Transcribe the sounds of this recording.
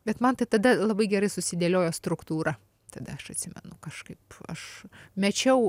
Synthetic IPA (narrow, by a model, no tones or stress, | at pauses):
bʲɛt̪mɐnt̪ɐɪt̪ɐd̪ɐlˠɐbɐɪɡʲɛɾɐɪsʊsʲɪd̪ʲeːlʲoːjoːst̪ɾʊkt̪uːɾɐ | t̪ɐd̪ɐɐʃɐt̪ʲsʲɪmʲɛ̰nʊkɐʃkɐɪpɐ̰ʃmʲɛt͡ʃʲɛʊ